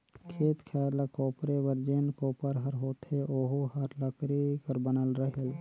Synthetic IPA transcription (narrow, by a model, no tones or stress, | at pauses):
kʰeːt̪kʰɛːɾlakoːpɾeʋəɾd͡ʒenkoːpəɾɦəɾɦoːt̪ʰeʔoɦuhəɾləkɾikəɾbənəlɾəɦel